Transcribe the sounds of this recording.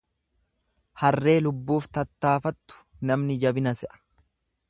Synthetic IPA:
hɐrːe̞ːlʊbːuːft̪ɐt̪ːaːfɐt̪ːʊ̥ | nɐmnɪd͡ʒɐbɪnɐsɛʔɐ̥

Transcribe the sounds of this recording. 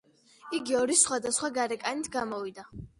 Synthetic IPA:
iɡiɔɾisχwad̪asχwaɡaɾɛkʼanit̪ʰɡamɔvid̪a

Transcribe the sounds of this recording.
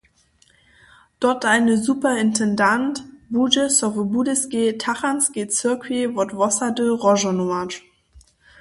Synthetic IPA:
d̥ɔɐtaɪnəzuːpɐɪntʰɛndantb̥ud͡ʒəsɔvəbudəsɡ̥eːtʰaχansɡ̥et͡søɐkʰivɔtvɔsadøʁɔʒonoat͡ʃ

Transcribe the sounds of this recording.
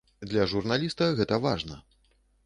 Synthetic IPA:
d̪lʲɐʐurnalʲist̪ɐɣɛt̪ɐvaʐnɐ

